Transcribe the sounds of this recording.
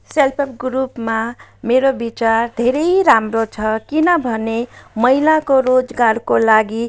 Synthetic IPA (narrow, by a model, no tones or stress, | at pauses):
selpʰʌpɡɾupmameɾobit͡sard̪ʱeɾʌjɾamrot͡sʰʌkinʌbʱʌnemʌilakoɾod͡zɡarkolaɡi